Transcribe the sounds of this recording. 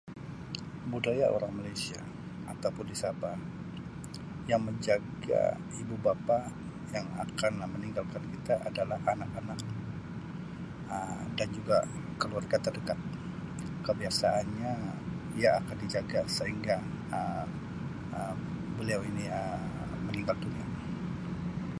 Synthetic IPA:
budajaʔo̰ɾaŋmalajsia̰ | a̰t̪awpʊndisaba | jaŋməɲd͡ʒaɡa̰ | ibubapa | jaŋa̰kanməniŋɡalkankit̪aʔadalahanakanak̚ | ədand͡ʒuɡakəluarɡat̪ərdəkat̪̚ | kəbiasaʔanɲaiaːkandid͡ʒaɡasəɦiŋɡa | ə | ə | bəliawiniə | məniŋɡaldunia

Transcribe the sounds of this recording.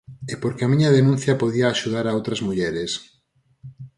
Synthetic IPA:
epoɾkeamĩɲɐðenũn̟θjɐpoðiaːʃuð̞aɾaowt̪ɾɐzmuʎɛɾes

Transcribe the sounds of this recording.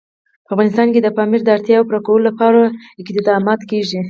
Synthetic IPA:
pəafɣɑnɪst̪ɑnked̪əpɑmiɾd̪əaɾt̪jɑwpuɾakawəlolapɑɾaɪkd̪d̪ɑmɑt̪keʒi

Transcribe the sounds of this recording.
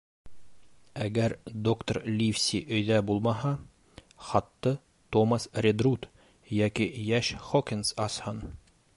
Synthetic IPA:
æɡæɾd̪okt̪orlʲifsʲiʔɵ̆jðæbulˠmɑɦɑ | χɑt̪ːɤ | t̪omɑsrʲed̪rut̪ | jækijæʃχokʲɪnsɑshɤn

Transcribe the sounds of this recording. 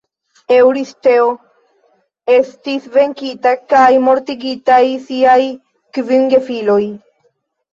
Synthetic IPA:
ewɾiste̞o | e̞stisve̞ŋkitakajmo̞ɾtiɡitajsiaj | kvinɡefilo̞j

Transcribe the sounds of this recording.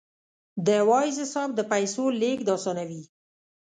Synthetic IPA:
d̪əwɑjzɪsɑb̚d̪əpajsolekd̪ɑsɑnawi

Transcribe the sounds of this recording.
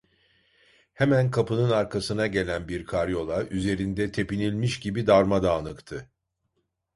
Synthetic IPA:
hemænkʰapɯnɯnaɾkʰasɯnaɟe̞lʲænbiɾkʰaɾjo̞lˠaʔyze̞ɾind̪ɛt̪ʰe̞pinilʲmiʃɟibid̪aɾmad̪aːnɯkt̪ʰɯ

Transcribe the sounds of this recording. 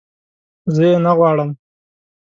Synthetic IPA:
zəjenaɣwɑɽəm

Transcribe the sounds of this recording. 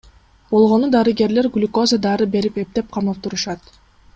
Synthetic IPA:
b̥o̞lˠʁo̞nud̪ɑɾɨɡe̞ɾle̞ɾɡlʲko̞zəd̪ɑɾɯbe̞ɾipe̞p̚t̪e̞p̚qʰɑmˠp̚t̪uɾuʃɑt̪

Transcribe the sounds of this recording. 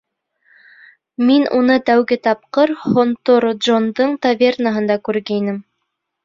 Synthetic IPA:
minṵnɤt̪æwɡɘt̪ɑp̚qɤɾhont̪oɾd̪ʒond̪ɤɴt̪ɐvʲe̞rnaɦɤ̆nd̪ɑkʉɾɡæinɘm

